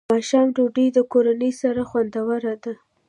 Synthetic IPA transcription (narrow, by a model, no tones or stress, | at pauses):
ɑʃɑmɖoɖəjd̪əkoɾanəjsaɾaxwand̪awəɾad̪a